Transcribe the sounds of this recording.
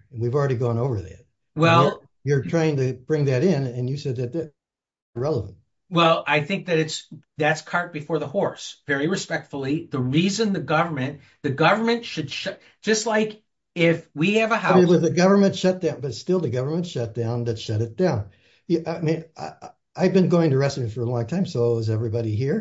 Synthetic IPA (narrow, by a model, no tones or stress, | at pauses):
wivl̩ˠɹɛɾiɡɔ̃noʊvə˞ðæ̰t̚ | wɛlˠ | jə˞tʰɹ̥aɪɪ̃ŋtɨb̥ɹɪ̃ŋðɨɾɪ̃nɨ̃njɨsɛd̪̚ðɨt̪̚ðɨt̚ | ɹɛlˠəvə̃nt̚ | wɛlˠʔaɪθɪ̃ŋk̚ðɨɾɨtsðætskʰɑɹt̚b̥ɨfɔɹðəhɔɹsvɛɹiɹɨspɛk̚tfl̩ˠiðəɹizɨ̃nðɨɡʌvə˞mɨ̃n | ðɨɡʌvə˞mɨ̃ntʃɨd̥ʃʌ | d̥ʒ̥ʌstˡlaɪk | ɪfwiɨvəhawʌðɨɡʌvə˞mɨ̃ntʃʌt̚d̥ãʊ̃nbʌtstɪlˠðɨɡʌvə˞mɨ̃ntʃʌt̚d̥ãʊ̃nðɨtʃʌɾɨt̚d̥ãʊ̃n | jɨʔamĩna | aɪvbɨ̃nɡoʊɪ̃ŋtɨɹɛsɪ̃nfə˞əlɔ̃ŋtʰãɪ̃msoʊawʌzɛvɹibɑɾiɦiɹ